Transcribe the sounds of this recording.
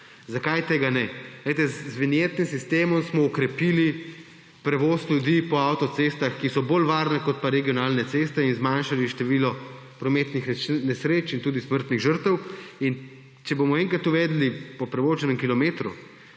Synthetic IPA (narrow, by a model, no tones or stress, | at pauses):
zakajt̪eːɡanɛɡlɛɪt̪ɛzzʋinjet̪nimsist̪eːmɔmsmɔɔkɾɛpiːli | pɾɛʋoslʲjud̪ipɔawt̪ɔt̪sest̪axkisɔbolʋaːɾnɛkɔt̪̚paɾɛɡijɔnalnɛt̪sest̪ɛinzmanʃaliʃt̪ɛʋiːlɔ | pɾɔmet̪nixnɛsɾeːt͡ʃint̪uːd̪isməɾt̪niɣʒəɾt̪əwin | t͡ʃɛbomɔeŋkɾat̪uʋɛːd̪lipɔpɾɛʋoːʒɛnɛmkilɔmeːt̪ɾṵ